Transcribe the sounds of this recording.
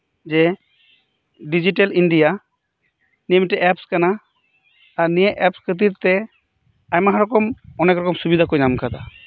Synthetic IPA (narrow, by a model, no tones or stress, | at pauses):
d͡ʒɛ | ɖid͡ʒiʈɛlinɖija | niɛmiʈɛʔɛpskanaː | ɾnijɛʔɛpskət̪̬iɾt̪ɛ | ajmaɦaɾɔkɔmɔnɛkɾɔkɔmsubid̪ʱakɔjnamkʰad̪a